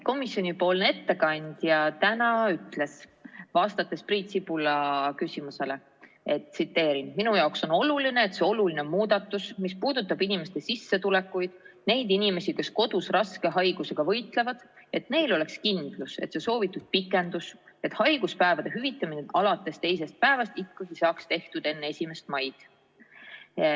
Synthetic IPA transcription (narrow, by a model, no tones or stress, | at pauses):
ko̞misjo̞nʲipo̞ːlneet̪ːe̞kɑnʲd̪̥jɑt̪ænɑyt̪ːˑle̞svɑːst̪ɑt̪ːˑesprint̪sipulɑkysʲimuse̞le̞ | e̞t̪sit̪ːe̞ːɾinminujɑokso̞no̞luline̞ːt̪se̞o̞lulinemuːd̪̥ɑt̪ːˑusmispuːd̪̥ut̪ːˑɑbinime̞st̪e̞sisːe̞t̪ule̞kːujd̪̥ne̞jd̪inime̞sike̞sko̞d̪̥usrɑske̞ɦɑjɡ̥use̞ɡ̥ɑvɤ̞jt̪ˑle̞vɑd̪̥e̞t̪ne̞jlo̞le̞kskind̪̥luse̞̰t̪se̞so̞ːvit̪ːˑud̪̥̚pikːˑe̞nd̪̥use̞t̪hɑjɡ̥uspæevɑd̪̥e̞ɦyvit̪ːˑɑmineɑlɑt̪ːˑe̞st̪e̞jse̞st̪̚pæe̞vɑst̪ikːɑɡ̥isɑːkst̪e̞ht̪ud̪̥e̞nːe̞sʲime̞st̪̚mɑjd̪̥